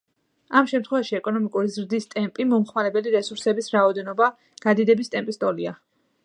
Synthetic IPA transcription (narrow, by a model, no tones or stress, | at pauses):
amʃɛmt̪ʰχwɛvaʃiɛkʼɔnɔmikʼuɾizɾd̪ist̪ʼɛmpʼimɔmχmaɾɛbɛliɾɛsuɾsɛbisɾaɔd̪ɛnɔba | ɡ̥ad̪id̪ɛbist̪ʼɛmpʼist̪ʼɔlia